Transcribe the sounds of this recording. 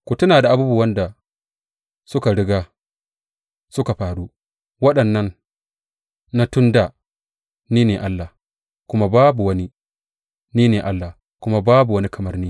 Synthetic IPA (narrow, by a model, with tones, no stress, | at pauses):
kʷu˨tʊ˦naː˨da˨ʔa˨buː˦bu˦˨wɐ˦nda˨ | sʊ˦ka˨ɽɪ˦ɡaː˦ | sʊ˦ka˨ɸaː˨ɽu˦ | wɐ˦ɗɐ˨nːɐ˦n | a˦tʊ˦ndaː˨ | niː˦neː˨ʔa˦lːaː˨ | kʷʊ˦ma˦baː˦bu˨wɐ˦ni˦ | niː˦neː˨ʔa˦lːa˨ | kʷʊ˦ma˦baː˦bu˨wɐ˦ni˦kʰɐ˨mɐ˦rniː˦